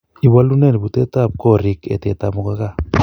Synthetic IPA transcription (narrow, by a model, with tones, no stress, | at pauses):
i˨βa˦lu˦nɛ˦˨n˨bu˨te˦ta˦˨p̚kɔ˦ɾi˦kɛ̰˨te˨ta˨mu˨ka˦ka˦